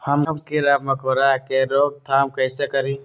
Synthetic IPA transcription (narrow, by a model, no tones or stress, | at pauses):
həməmkiɾamɐkoɾakeɾoːɡ̚t̪ʰaːmkəjsekəɾĩ